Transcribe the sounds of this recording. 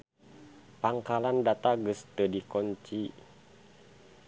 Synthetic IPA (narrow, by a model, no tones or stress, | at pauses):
paŋkalandat̪aɡəst̪ədikɔɲt͡ʃi